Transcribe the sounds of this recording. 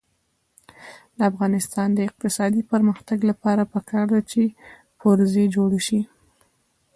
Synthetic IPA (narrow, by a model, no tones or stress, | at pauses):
d̪əafɣɑnɪst̪ɑnd̪əɪq̚t̪ɪsɑd̪ipəɾməxt̪aɡlapɑɾapəkʰɑɾd̪at͡ʃe | poɾzed͡ʒoɽeʃi